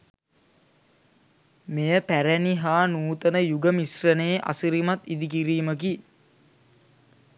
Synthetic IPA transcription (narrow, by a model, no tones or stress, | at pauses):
mejəpæɾæniɦaːnuːt̪ənəjuɡəmisrəneːʔa̰siɾimat̪id̪ik̬iɾiːmək̬i